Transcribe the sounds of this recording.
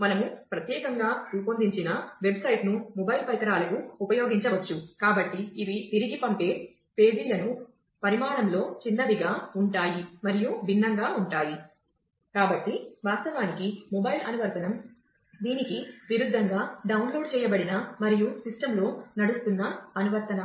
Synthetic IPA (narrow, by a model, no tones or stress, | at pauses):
mɐnɐmupɾɐt̪jɛːkɐŋɡaːɾuːpond̪iɲt͡ʃinɐʋe̞bsɐjʈnumɔbɐjlpɐjkɐɾaːlɐkuːpɐjo̞ːɡiɲt͡ʃɐʋɐt͡ʃːukaːbɐʈːiːʋit̪iɾiɡipɐmpe̞ː | pe̞ːd̪ilːɐnu | pɐɾimaːɳɐmlo̞ːt͡ʃinːɐʋiɡaːuɳʈaːjimɐɾijubʱinːɐŋɡaːuɳʈaːji | kaːbɐʈːiʋaːst̪ɐʋaːnikimɔbɐjilɐ̰nuʋɐɾt̪ɐnɐm | d̪iːnikiʋiɾud̪ʱːɐŋɡaːɖɐwnlo̞ːɖ̚t͡ʃɛːjɐbɐɽinɐmɐɾijusisʈɐmlo̞ːnɐɽust̪unːɐːnuʋɐɾt̪ɐnɐ